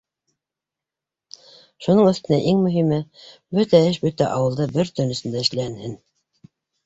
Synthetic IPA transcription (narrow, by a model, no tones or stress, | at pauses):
ʃunɤɴɵ̆θt̪ɘ̆næʔiŋmɵ̆ɦimɘbɵt̪æɘʃbɵt̪æʔɑwɤ̆lˠd̪ɤbɘɾt̪ɵ̆nɵ̆sɘ̆nd̪æɘ̆ʃlæ̆nhɘn